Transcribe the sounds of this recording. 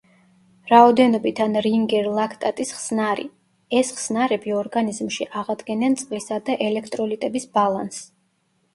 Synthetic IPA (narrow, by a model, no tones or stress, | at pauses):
ɾaɔd̪ɛnɔbit̪ʰanɾiŋɡɛɾlˠakʰt̪ʼat̪ʼisχsnaɾḭ | ɛsχsnaɾɛbiɔɾɡanizmʃiʔaʁad̪ɡɛnant̪sʼqʼlisad̪aʔɛlɛkʰt̪ʼɾɔlit̪ʼɛbisbalˠans